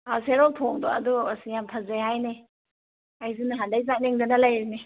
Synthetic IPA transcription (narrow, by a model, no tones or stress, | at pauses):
aseɾɔltʰɔŋdɔɐduasijamtʰazeɦajne | ajzinaɦandajzaneŋdanalajɾine